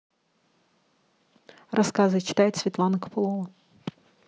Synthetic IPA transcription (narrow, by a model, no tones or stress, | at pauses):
rɐskazɨt͡ʃɪ̥t̪ajɪt̪sʲvʲit̪lˠɑnɐkɐ̥pɨlˠɔvɐ